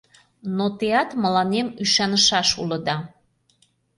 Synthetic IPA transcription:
not̪eɑt̪mə̆lɑnemyʃɑnəʃɑʃulə̆d̪ɑ

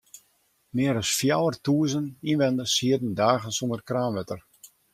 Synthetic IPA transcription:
mɪəɾɔsfjawərtuːəzəninʋɛndəshiədən̩daːɣənsondərkraːnʋɛtər

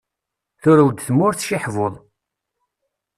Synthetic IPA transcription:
θʊɾæwd̪θmːʊɾθʃiħvoðˤ

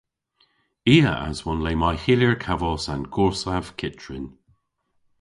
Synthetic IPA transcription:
iːə̰ʔa̰zwɔnleːmajhiljəɹkʰavɔsanɡʰɔɹsav̥kʰɪt͡ʃʰɹɪn

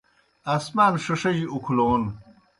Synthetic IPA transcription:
asmaːnʂɐʂɐʑiukʰloːn

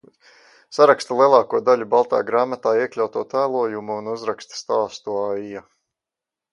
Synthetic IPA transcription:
saɾakst̪ulˠiɛlˠɑːkuɔd̪aʎʲubalˠt̪a̰ːɡɾaːmat̪aːiɛkʎʲawt̪uɔt̪æːlˠuɔjumuunuzɾakst̪st̪aːst̪uaːija

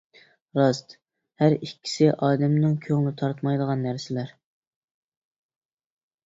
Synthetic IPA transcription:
ɾɑst̪ | hæɾikʲːi̥sɪʔɑːd̪ɛmnɪŋkʲʰøŋlɪt̪ʰɑɾt̪mɑjd̪əʁɑnːæɾsɪlæɾ

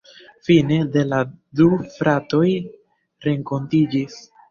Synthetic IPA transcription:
fine̞de̞ladufɾato̞j | ɾe̞ŋko̞ntid͡ʒis

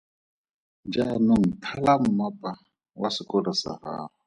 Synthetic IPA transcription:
d͡ʒanoŋ̩tʰalamʊmapʼa | wasɪkʼɔɺasa̰ha̰ːrɔ

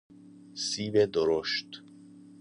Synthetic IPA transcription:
siːbed̪oɾoʃt̪

